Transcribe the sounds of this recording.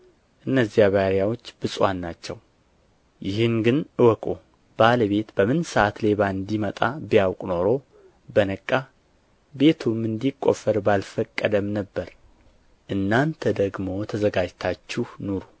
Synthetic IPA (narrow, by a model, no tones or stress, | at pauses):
ʔɨnːəzːjaβaɾjawot͡ʃːbɨsʼwanːat͡ʃːɛw | jɪhɨnɡɨnʔɨwɔkʼo | b̥aləβe̞t̪bəmɨnsəat̪le̞βaɨnd̪imət̪ʼabijawkʼno̞ɾo̞ | bənəkʼːa | be̞t̪ʰumɨnd̪ikʼːo̞̰fəɾbalfəkʼːəd̪əmnəbːəɾ | ʔɨnːant̪ʰəd̪əɡmo̞t̪ʰəzəɡad͡ʒt̪ʰat͡ʃːuhnuɾu